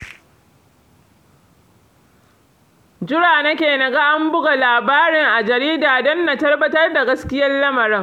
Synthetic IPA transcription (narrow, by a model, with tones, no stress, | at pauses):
d͡ʒɪ˦ɽaː˨nɐ˦kʲeː˨nɐ˨ɡa˦ʔa˦mbʊ˦ɡa˨laː˨baː˦ɾɪ˨ŋʔa˨d͡ʒɐ˨ɾiː˦daː˨dɔ˦nːa˨tɐ˦rbɐ˦tɐ˦rda˨ɡɐ˦skʲɪ˦jɐ˦llɐ˦mɐ˨ɾɪ˦ŋ